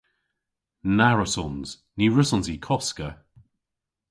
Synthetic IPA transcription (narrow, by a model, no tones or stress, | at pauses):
naɹəsɔnz̥ | niɹəsɔnzikʰɔskə